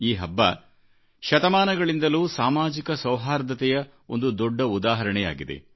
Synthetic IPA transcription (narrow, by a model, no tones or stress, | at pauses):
iːɦɐbːɐ̰ | ʃɐt̪ɐmaːnɐɡɐɭind̪ɐluːsaːmaːd͡ʒikɐsɐwɦaːɾd̪ɐt̪ɛjɐ | o̞̰nd̪ud̪ɔɖːɐud̪aːɦɐɾɐɳɛja̰ːɡid̪ḛ